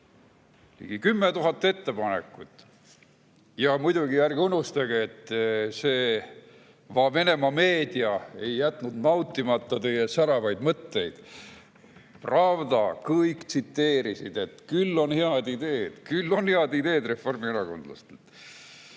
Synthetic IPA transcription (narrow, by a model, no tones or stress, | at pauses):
nḭɡikymːet̪uɦɑt̪ːˑe̞t̪ːe̞pɑnekːˑut̪ːˑ | jɑmujd̪uɡijærɡunːust̪ɑɡeet̪ːseː | vɑve̞ne̞mɑme̞ːd̪iɑe̞jːæt̪ːˑnud̪nɑwt̪ːˑimɑt̪ˑːɑt̪e̞jesæɾɑvɑjd̪mɤt̪ːe̞jd̪̥ | prɑvd̪ɑkɤjkt̪sit̪ːe̞ːɾisid̪̥e̞t̪kylːo̞nheɑd̪id̪e̞ːd̪̥kylːo̞nheɑd̪id̪e̞ːd̪re̞fo̞rmieɾɑko̞nd̪lɑ̰st̪elt̪